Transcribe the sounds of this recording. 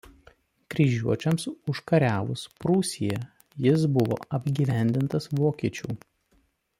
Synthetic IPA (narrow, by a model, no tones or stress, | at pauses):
kɾʲɪʒʲuɔt͡ʃʲɛmsʊʃkɐɾʲæːʋˠʊspɾuːsʲijɛ | jɪs̬bʊʋo̰ːɐbʲɡʲiːʋʲæˑnʲd̪ʲɪnt̪ɐsʋoːkʲiɛt͡ʃʲṵː